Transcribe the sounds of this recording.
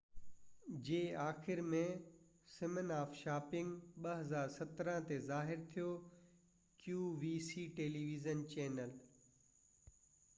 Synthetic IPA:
d͡ʑeːaːxɪɾmẽsɪmənaːfʃaːpɪ̃ŋɡɓɐɦɐzaːɾsɐt̪ɾə̃t̪ezaːɦɪɾt̪ʰijo | kjuːʋiːsiːʈeːliːʋizənt͡ɕɛːnəl

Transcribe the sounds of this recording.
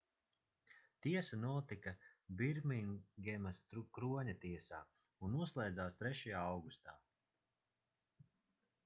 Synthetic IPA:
t̪iɛsanuɔt̪ikabiɾmiŋɡʲɛmast̪ɾukɾuɔɲat̪iɛsaː | unuɔslˠɛjd̪zaːst̪ɾɛʃajaːawɡust̪aː

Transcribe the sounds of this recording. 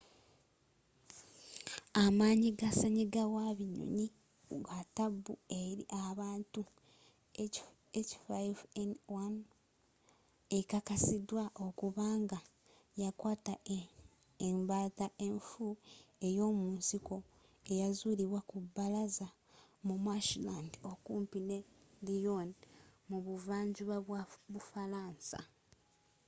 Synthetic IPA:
amaːɲiɡasaɲiɡawaβiɲo̰ɲi | ɡatabːueɾḭʔaβaːntu | et͡ʃi̥fajvenwan | ekakasidwao̞kuβaːŋɡa | jakwaːta | embaːtaʔe̞ɱfue̞jo̞ːmuːnsiko̞ | e̞jazuːliβwakubːalaza | mumaʃilandokuːmpine̞lijonmuβuvaːɲɟuβaβwaβufalaːnsa̰

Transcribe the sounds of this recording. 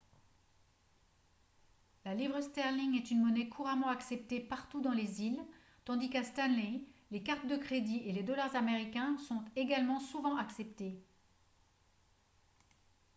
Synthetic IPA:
lalivʁəst̪ɛʁliŋɛt̪ynmɔnɛkʰuʁamɑ̃aksɛp̚t̪epaʁt̪ud̪ɑ̃lezil | t̪ɑ̃d̪ikast̪anlɛlekaʁt̪d̪əkχed̪ieled̪ɔlaʁzameʁikʲɛ̃sɔ̃t̪eɡalmɑ̃suvɑ̃ʔaksɛpt̪e

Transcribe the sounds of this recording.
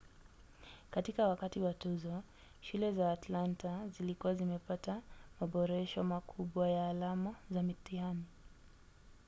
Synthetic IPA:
katikawakatiwatuzɔ | ʃulɛzaːtlantazilikuwazimɛpatamaɓɔɾɛʃɔmakʰuɓwajaːlamazamitiani

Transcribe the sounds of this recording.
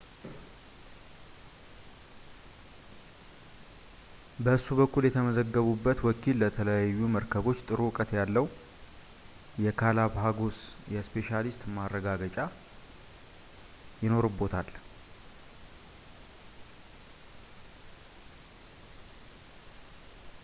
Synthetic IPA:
bəɨsuβəkʰːuljɛt̪ʰəməzəɡːəβubːət̪wɔkʰilːət̪ʰələjajːuməɾkʰəβo̞t͡ʃːt̪ʼɨɾukʼət̪jalːəw | jɛkʰalaβɦaɡosjɛspʰe̞ʃalist̪marːəɡaɡət͡ʃʼa | jɪno̞ɾɨbːo̞t̪ʰal

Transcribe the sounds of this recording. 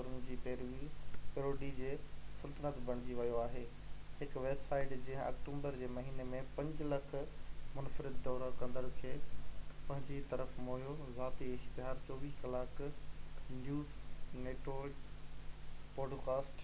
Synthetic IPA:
ʊɾʊn̆d͡ʑiːpeːɾʋipɪɾoːɖid͡ʑeːsɐlt̪ənət̪bʱɐɽ̃d͡ʑiʋɐjoaːɦeː | hɪkʋeːbsaːɪʈd͡ʑẽɦa̰ːkʈũːmbəɾd͡ʑeːmɐɦiːnemẽpɐ̃ɲd͡ʑlɐkʰmʊnfɾɪd̪ːɔːɾakɐ̃nd̪əɾkʰeːpɐ̃ɦɪ̃ɲd͡ʑit̪ɐɾəfmoːjozaːt̪iɪʃt̪ɪɦaːɾt͡ɕɔːʋiːskɐlaːk | njuːzneːʈo | pɔːɖkaːsʈ

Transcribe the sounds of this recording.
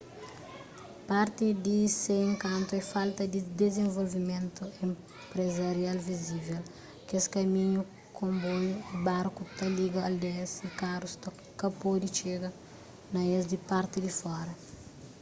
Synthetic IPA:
paɾt̪id̪iseẽŋkãnt̪uɛfalt̪ɐd̪id̪ezẽɱvolvimẽnt̪uẽm | pɾezɐɾjalvizivel | keskɐmiɲu | kʰõmbojbaɾkut̪ɐliɡɐɐld̪ɛsikaɾust̪ɐ | kɐpod̪it͡ʃeɡɐ | nɐezd̪ipaɾt̪id̪ifɔɾɐ

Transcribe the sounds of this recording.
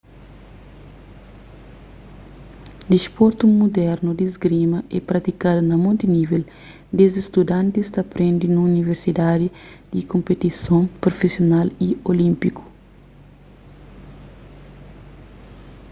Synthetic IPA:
d̪ispoɾt̪umud̪ɛɾnud̪izɡɾimɐʔɛpɾɐt̪ikad̪unɐmõnt̪inivel | d̪ezist̪ud̪ãnt̪ist̪ɐpɾẽnd̪inuuniveɾsid̪ad̪id̪̥ikõmpet̪isõŋpɾofesjonaliolĩmpiku̥

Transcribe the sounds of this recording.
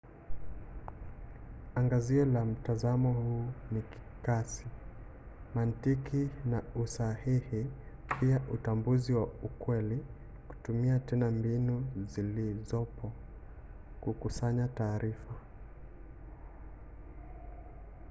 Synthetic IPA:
aŋɡaziɛlam̩tazamɔhuːniki̥kasi | mantikʰinausahihi | piaʔutambuziwaukwɛli | ku̥tumiatɛnambinuzilizɔpʰɔ | kukusaɲataːɾifa

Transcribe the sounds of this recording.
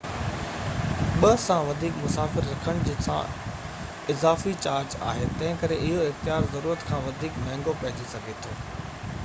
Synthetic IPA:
ɓɐsãʋɐd̪ʱiːkmʊsaːfɪɾːɐkʰəɽ̃d͡ʑiːsã̰ | ɪzaːfit͡ɕaːɾd͡ʑa̰ːɦet̪ɐ̃ɦɪ̃kɐɾeʔɪɦoɪxt̪ijaːɾzɐɾuːɾət̪kʰãːʋɐd̪ʱiːkmɛ̃ɦːŋɡopɐ̃ɦɪ̃d͡ʑisɐɡʱet̪ʰoː

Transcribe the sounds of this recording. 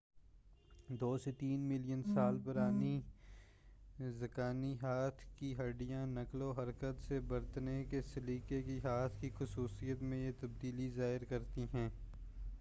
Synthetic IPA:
d̪oːset̪iːnmɪlijənsaːlpɐɾaːni | zɐkaːniɦaːt̪ʰkiɦɐɖijãnɐkloɦɐɾkət̪sebɐɾt̪nekesɪliːkekiɦaːt̪ʰkixʊsuːsijət̪mẽjet̪ɐbd̪iːlizaːɦɪɾkɐɾt̪iɦɛ̃ː

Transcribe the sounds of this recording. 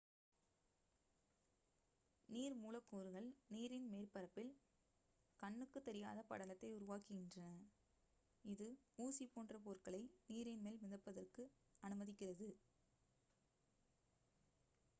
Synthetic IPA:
niːɾmuːlɐkːuːɾɯɣɐɭniːɾɪnmeːrpɐɾɐpːɪl | kɐɳːɯkːɯt̪ːɛɾɪja̰ːðɐpɐ̰ɽɐlɐt̪ːɐɪʊɾʊʋaːkɯɣɪndrɐnɐ | ɪðɯuːsipoːndrɐpoːrkɐɭɐɪniːɾɪnmeːlmɪðɐpːɐðɐrkɯ | ɐnɯmɐðɪkːɪrɐðɯ

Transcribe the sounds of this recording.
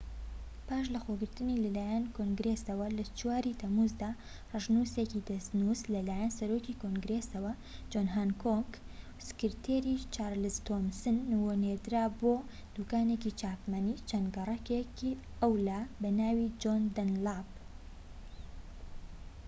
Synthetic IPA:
paːʃ̬lɐxoɡɨɾt̪ɨniːlɐlaːjankoŋɡɾesɐwɐlɐt͡ʃuwaːɾit̪ʰɐmuzd̪aː | rɨʒnusecid̪ɐst̪nuzlɐlaːjɐnsɐɾoːcikoŋɡɾesɐwɐ | d͡ʒoːnɦaːnkʰoŋɡ | sɨ̥kɨɾt̪ʰeːɾiːt͡ʃaːɾlɨzt̪ʰomsɨnːwoneɾd̪ɨɾaːboː | d̪uːkaːnecit͡ʃaːpmɐniːt͡ʃʰɐnɡɐrˤɐkeki | ɐwlaːbɐnaːwid͡ʒond̪ɐnlab

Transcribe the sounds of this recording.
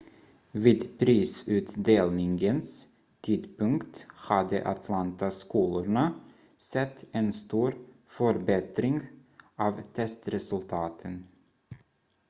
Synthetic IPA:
viːd̪pʰɾiːsʉ̟ːt̪d̪eːlnɪŋɡəns | t̪ʰiːd̪pɵŋkt̪had̪ə̰ʔa̰t̪ʰlant̪askuːlʊɳa | sɛt̪ʰːɛnst̪uːɾ | fœɾbɛt̪ɾɪŋɑːvt̪ʰɛst̪ɾɛsɵlt̪ʰɑːt̪ʰən

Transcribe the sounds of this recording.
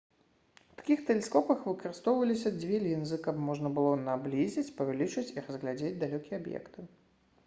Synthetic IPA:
wt̪ḁkʲixt̪ɛlʲɛskɔpɐxvɨkɐɾɨst̪ɔwvɐlʲisʲɐd͡zʲvʲɛlʲinzɨkɐpmɔʐnɐbɨlˠɔnablʲizʲit͡sʲpɐvʲalʲit͡ʂɨt͡sʲirɐzɣlʲad͡zʲed͡zʲd̪alʲɔkʲiɛabjɛ̰kt̪ɨ

